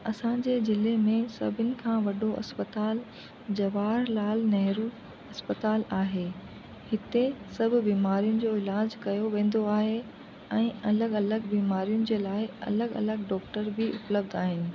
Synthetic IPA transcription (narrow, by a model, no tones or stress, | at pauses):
ɐsãd͡ʑeːzɪlemẽsɐ̰bʱɪnɪ̆kʰãːʋɐɖoʔɐ̰spət̪aːl | d͡ʑɐʋaːɾlaːlnɐɦɾu | ɐspət̪aːlaːɦeː | hɪt̪esɐbʱɪ̆biːmaːɾijʊnɪ̆d͡ʑoːɪlaːd͡ʑkɐjoʋẽːn̆d̪oaːɦe | ɛ̃ːɐləɡɐləɡbiːmaːɾijʊnɪ̆d͡ʑeːlaːɪɐ̰ləɡɐ̰ləɡɖɔːkʈəɾbɪʔʊ̰pləb̚d̪aːɦɪnɪ̆